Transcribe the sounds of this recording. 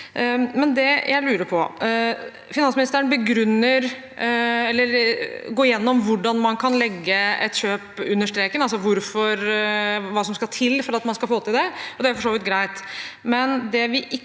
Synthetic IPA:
mɛnd̪ɛjʔæ̰ɪlʉːɾəɾpʰɔ | fɪnɑnsmɪnɪst̪əɾəɳnbəɡɾʉnːəɾ | ɛlːəɾɡoːɾɪjɛnːɔmʋʊɖɑnmɑnkʰɑnlɛɡːəɛ̰t̪ɕøːpʉnːəʂʈ̪ɾeːkənɑlsɔʋʊɾfɔɾʋɑːsɔmskɑt̪ʰɪlːfɔɾɑt̪mɑnskɑlfoːt̪ɪld̪ɛɔd̪ɛæɾfɔʂoːʋɪt̪ɡɾæɪt̪mɛnd̪ɛʋɪʔɪ

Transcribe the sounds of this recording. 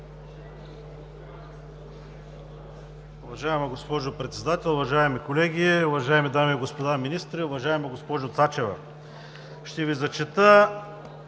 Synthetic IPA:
ʊvɐʒaɛmɐɡospɔʒopɾɛt̪sɛd̪at̪ʲɛlˠʊvɐʒaɛmikolɛɡʲiʊvɐʒaɛmid̪amiːɡospod̪aminist̪ɾiʊvɐʒaɛmɐɡospɔʒot̪sat͡ʃɛvɐ̰ | ʃt̪ɛvizɐt͡ʃɛt̪ə

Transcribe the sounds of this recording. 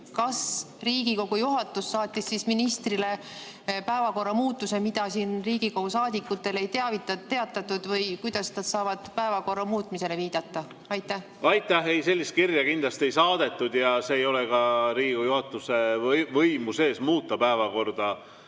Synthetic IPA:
kɑs | riːɡ̥iko̞ɡ̥ujuɦɑt̪ːˑusːɑːt̪ʲːˑisːisminist̪rile̞ | pæevɑko̞rːɑmuːt̪ːˑuse̞mid̪̥ɑsiːnriːɡ̥iko̞ɡ̥usɑːd̪̥ikːˑut̪ːˑe̞le̞jt̪eɑvit̪ːɑt̪ːe̞ɑt̪ːˑɑt̪ːud̪̥vɤjkujd̪̥ɑsnɑd̪̥sɑːvɑd̪̥pæevɑko̞rːɑmuːt̪mise̞le̞viːd̪̥ɑt̪ːˑɑ | ɑjt̪ːˑæh | ɑjt̪ːˑæhejse̞lʲːist̪kirjɑkind̪lɑst̪e̞jsɑːd̪̥e̞t̪ːˑud̪̥jɑseːjo̞lekɑɾiːɡikojuhɑt̪ːˑuse̞vɤjmuse̞ːsmuːt̪ːˑɑpæevɑko̞rd̪̥ɑ

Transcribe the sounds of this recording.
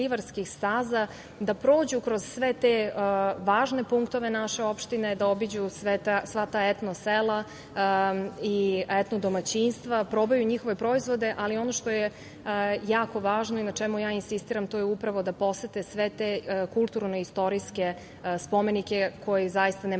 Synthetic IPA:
iʋaɾskixst̪aːza | d̪apɾo̞ːd͡ʑukɾoz̥sʋet̪eʋaːʒne̞puŋkt̪o̞ʋe̞naʃe̞o̞pʃt̪inejd̪ao̞bid͡ʑusʋet̪asʋat̪aet̪noselˠa | iet̪nod̪omat͡ɕinst̪ʋapɾo̞bajuɲixo̞ʋe̞pɾo̞izʋo̞d̪e̞ʔalio̞noʃt̪o̞je | jaːko̞ʋaːʒno̞inat͡ʃɛmujaːinsist̪iːɾamt̪oːjeupɾaʋo̞d̪apo̞set̪esʋet̪ekulˠt̪uɾnoist̪o̞ɾiske̞ | spo̞me̞nike̞kʰo̞jizajist̪ane

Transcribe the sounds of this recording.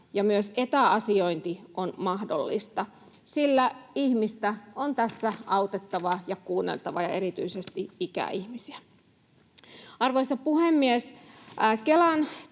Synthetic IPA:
jɑmyøset̪æɑsioint̪iʔonmɑhdo̰lːḭst̪ɑ | silːæihmist̪æont̪æsːæʔɑwt̪et̪ːɑʋɑjɑkuːnːḛlt̪ɑʋɑjɑ̰e̞ɾit̪y̰isest̪iikæ̰ʔihmisiæ | ɑrʋojsɑpuhemːies | kelɑn

